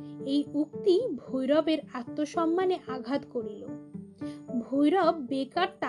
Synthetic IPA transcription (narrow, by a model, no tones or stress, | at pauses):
ejuk̚t̪ibʱojɾɔbeɾat̪ːoʃɔmːaneʔaɡʱat̪koɾilo | bʱojɾɔbːekaɾt̪a